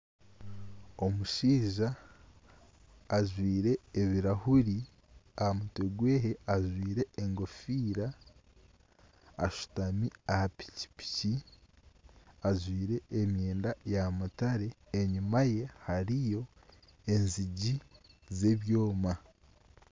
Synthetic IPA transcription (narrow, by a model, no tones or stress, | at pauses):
o̞muʃiːʒa | ʒwiːɾe̞ːβiɾahuɾi | ahamuteɡwe̞ːɦe̞aʒwiːɾe̞eŋɡo̞fiːɾa | ʃu̥tamiahapi̥ci̥pi̥ci | aʒwiːɾe̞ʔemjeːndajamutaɾe̞ːɲumaje̞haɾijo̞ | e̞nziɟize̞βjo̞ːma